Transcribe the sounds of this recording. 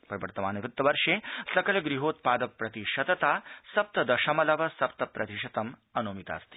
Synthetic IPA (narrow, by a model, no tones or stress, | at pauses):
pɾɐʋɐɾt̪ɐmaːnɐʋut̪ːɐʋɐɾʂeːsɐkɐlɡɾiɦoːt̪̚paːd̪ɐpːɾɐt̪iʃɐt̪ɐt̪aːsɐp̚t̪ɐd̪ɐʃɐmɐlɐʋɐsɐp̚t̪ɐpɾɐt̪iʃɐt̪ɐmɐnoːmit̪a̰ːst̪i̥